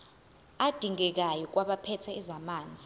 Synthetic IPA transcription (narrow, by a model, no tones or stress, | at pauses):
ad̥ʱiŋɛk̬ajɔk̬ʼwaɓapʰɛtʰɛizamaːnd͡zʱi